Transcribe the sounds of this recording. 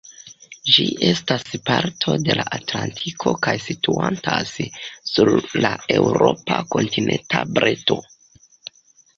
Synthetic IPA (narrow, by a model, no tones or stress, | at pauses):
d͡ʒiʔestaspaɾtʰo̞de̞laʔatlantʰikʰo̞kajsituantassuɾlae̞wɾopako̞ntinʔentabɾʔeto̞